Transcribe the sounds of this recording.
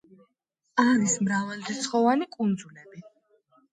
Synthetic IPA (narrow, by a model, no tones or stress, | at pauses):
aɾismɾavald̪ɛt̪sʰχɔvanikʼund̪zulɛbi